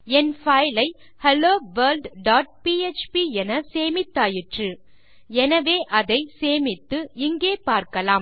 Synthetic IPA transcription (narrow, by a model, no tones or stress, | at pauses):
ɛnfɐɪlɐɪ | hɐloːʋɐːɾlɖɖaːʈ̚piːet͡ʃpiɛnɐseːmɪt̪ːaːjɪʈrɯ | ɛnɐʋeːʔɐðɐɪseːmɪt̪ːɯɪŋɡeːpaːɾkɐlaːm